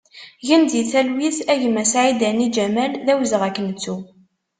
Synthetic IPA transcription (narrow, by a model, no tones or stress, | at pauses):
ʝənd̪iθælwiθæʝəmæsʕid̪ænid͡ʒæmælðæwzəʁækːənət͡sːu